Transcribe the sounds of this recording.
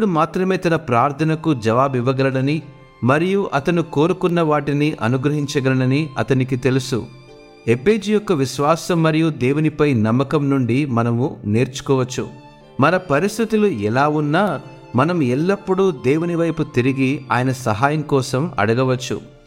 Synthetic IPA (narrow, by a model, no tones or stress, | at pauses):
pːuɽumaːt̪ɾɐme̞ːt̪ɐnɐpɾaːɾt̪ʰɐnɐkud͡ʒɐʋaːbiʋːɐɡɐlɐɽɐni | mɐɾijuʔɐt̪ɐnuko̞ːɾukunːɐʋaːʈiniʔɐ̰nuɡɾɐɦiɲt͡ʃɐɡɐlɐɽɐniɐ̰t̪ɐnik̬it̪e̞lusṵ | e̞pe̞ːd͡ʒijɔkːɐʋiʃʋaːsɐmːɐɾijud̪eːwunipɐjnɐmːɐkɐmnuɳɖimɐnɐmune̞ːɾt͡ʃu̥kɔːʋɐt͡ʃːṵ | mɐnɐpɐɾist̪ʰit̪uluɛlaːunːaː | mɐnɐmɛlːɐpːuɽud̪eːwuniʋɐjput̪iɾiɡia̰ːjɐnɐsɐɦaːjɐmkɔːsɐmɐ̰ɽɐɡɐʋɐt͡ʃːṵ